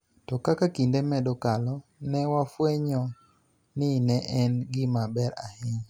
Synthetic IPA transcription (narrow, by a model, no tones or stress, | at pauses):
tɔkakakindemɛdɔkalɔnɛwafweɲɔ | nɪnɛʔɛnɡɪmabɛɾahɪŋ